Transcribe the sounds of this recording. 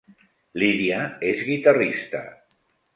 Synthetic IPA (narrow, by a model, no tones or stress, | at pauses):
liðiaezɣit̪arist̪a̰